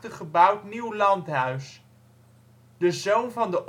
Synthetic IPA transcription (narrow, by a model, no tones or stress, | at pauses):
təχəbɑwtniwlɑntɦœɥs | d̥əzownvɑndəʔ